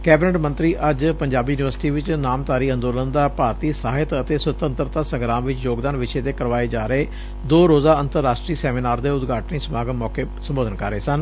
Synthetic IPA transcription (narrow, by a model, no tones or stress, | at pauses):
kɛːbɪnɛʈmənt̪ɾiːʔəd͡ʒpəɲd͡ʒaːbiːjuːnɪʋəɾsɪ̥ʈiːʋɪt͡ʃnaːmt̪aːɾiːə̃nd̪oːlənd̪aːpaːɾt̪iːsaːɦɪt̪ət̪eːsət̪ənt̪ɾt̪aːsəŋɡɾãːmʋɪt͡ʃjoːɡd̪aːnʋɪʃeːt̪eːkəɾʋaːeːd͡ʒaːɾəeː | d̪oːɾoːzaːənt̪əɾːaːsʈɾiːsɛːmiːnaːɾd̪eːʊd̪ɡʱaːʈəniːsəmaːɡəmɔːkeːsəmboːd̪ənkə̰ɾːeːsən